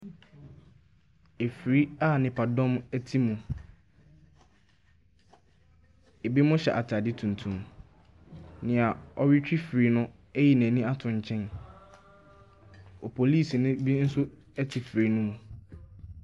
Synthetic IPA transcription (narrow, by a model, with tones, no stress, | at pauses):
e˨fi˨ɾi˦a˦˨nɪ̃˨pʰa˨dɔ̃˦mæ˦tʰi˦mũ˨ | e˨bi˦mʊ̃˦ɕɛ̰˨ʔa˨tʰa˨dɪ˦tʰũ˨n˨tʰũ˨m | nɪ̃˨a˨ɔ˦ɥɪ˦t͡ɕᶣi˦fɾi˦nʊ̃˦ | æ˦ji˨næ̃ː˨nĩ˦a˦tʰʊ̃˨ɲ̩˨t͡ɕʰɛ̃˦n | ɔ˨pʰo˨liː˦˨snʊ̃˦bi˦n̩˦sʊ˦ | ɛ˦tʰi˨fɾi˦nʊ̃˦mũ˨